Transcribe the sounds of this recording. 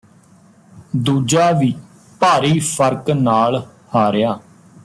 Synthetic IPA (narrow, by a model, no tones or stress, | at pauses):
d̪uːd͡ʒaːʋiː | paːɾiːpʰəɾknaːlhaːɾejaː